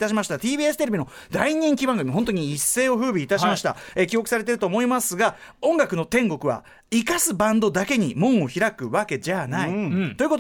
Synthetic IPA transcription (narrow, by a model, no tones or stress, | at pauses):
t̪aɕ̬imaɕi̥t̪at̪iːbʲiːesɨ̥t̪eɾe̞bʲino̞ | d̪aiɲ̟ẽŋkʲibãŋɡɯmʲiɦõ̞nt̪oɲ̟iːsːe̞ːo̞ɸɯ̟ːbʲiːt̪aɕimaɕi̥t̪a̰ekʲio̞kɯ̟saɾe̞t̪e̞ɾɯ̟t̪o̞ːmo̞imasɨɡa | õ̞ŋɡakɯ̟no̞t̪ẽ̞ŋɡo̞kɯ̟βa̰ | ikasɨbãnd̪o̞d̪ake̞ɲ̟imõ̞ɰ̃o̞çiɾakɯ̟βake̞d͡ʑanait̪o̞jɯ̟kot